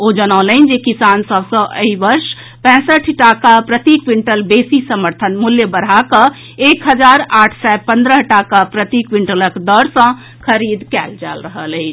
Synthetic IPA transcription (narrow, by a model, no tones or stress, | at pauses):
od͡ʒənələnd͡ʒekisansəbsə̃ʔə̰ibəɾʃ | pɛ̃səʈʰʈakapɾət̪ikwiɳʈəlbesisəməɾt̪ʰənmuljəbəɾ̤akə̃ | ekɦəd͡ʒaɾaʈʰsɛpə̃nd̪ɾəɦʈakapɾət̪ikwiɳʈələkd̪əɾsə̃ | kʰəɾid̪kɛld͡ʒa̰lɾəɦələɪt͡ʃʰ